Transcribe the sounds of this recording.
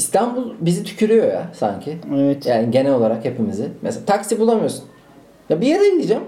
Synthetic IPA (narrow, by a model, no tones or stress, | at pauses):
ist̪ʰambulˠbizit̪ʰy̥cʰyɾyjo̞ja̰sa̰ɲcʰievɛt̪jaːniɟe̞nɛlo̞lˠaɾakhe̞pʰimizɪmḛselaːt̪ʰaksibulˠamɯjo̞sun | jabijeɾeilʲid͡ʒam